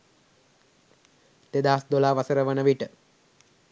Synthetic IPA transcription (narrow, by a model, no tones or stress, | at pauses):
t̪ed̪aːsd̪olaːʋasəɾəʋənəʋiʈə